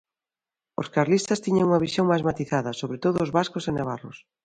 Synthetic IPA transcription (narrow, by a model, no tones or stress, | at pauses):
o̰skaɾlist̪ɐst̪iɲɐŋuŋɐβisjoŋmajzmat̪iθaðɐsoβɾet̪oðʊːzβaskosenaβarlʊ̰s